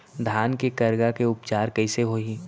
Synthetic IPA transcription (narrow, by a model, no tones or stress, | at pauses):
d̪ʱaːnkekɐɾɡakeʊpt͡ʃaːɾkɐɪseɦoːi